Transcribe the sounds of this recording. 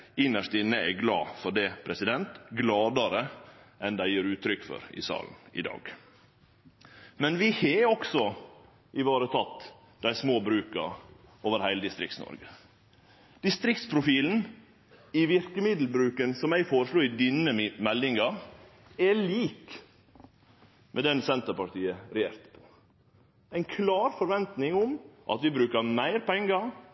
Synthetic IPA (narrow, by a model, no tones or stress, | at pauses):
ɪnəʂt̪ɪnːəɛɡlɑ̰ːfɔɖɛpʰɾɛsɪd̪ɛnt̪ɡlɑːd̪ɑɾəʔɛnd̪æɪjøːɾʉːt̪ʰɾʏkːfɔ̰ɾɪ̰sɑ̰ːln̩ɪ̰d̪ɑ̰ːɡ | mɛnʋɪheɔksɔ | ɪʋoːɾət̪ʰɑt̪ː | d̪æɪsmoːbɾʉːkə̰ɾ | oːʋəɾhæɪləd̪ɪst̪ɾɪ̰kt̪snɔ̰ɾɡə | d̪̥ɪst̪ɾɪk̚t̪spʰɾʊfiːln̩ | ɪʋɪɾkəmɪd̪l̩bɾʉːkənsɔmæɪfoːɾəʂluːɪd̪ɪnəmɛlːɪŋɑ | ɛliːk | mʔɛd̪ɛnsɛnt̪əɾpɑʈiːəɾɛjeːɾt̪pʰɔ̥ | æɪnkʰlɑːɾfɔɾʋɛnt̪nɪŋʊmʔɑ̰t̪ʋɪbɾʉːkəmæɪɾpʰɛŋɡɑ